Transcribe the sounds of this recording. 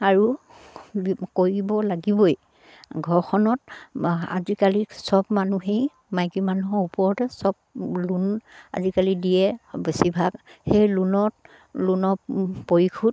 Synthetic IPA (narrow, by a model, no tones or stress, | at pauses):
aɹu | bkoɹibɔlaɡibɔj | ɡʱɔɹkʰɔnɔta̰zikalisɔbmanuɦej | majɡimanuɦɔɹupɔɹɔtɛsɔb̚luna̰zikalidijɛbesibʱaɡhejlunɔt | lunɔpoɹikʰut̚